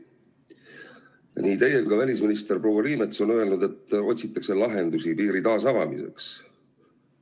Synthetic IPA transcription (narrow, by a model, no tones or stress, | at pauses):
niːt̪eje̞kɑvælʲisminist̪e̞ɾpro̞ːwɑɾiːme̞t̪so̞nø̞e̞lnud̪̥e̞t̪ːo̞t̪ʲsit̪ːˑɑkse̞lɑɦe̞nd̪usipiːɾit̪ɑːsɑvɑmḭse̞̰ks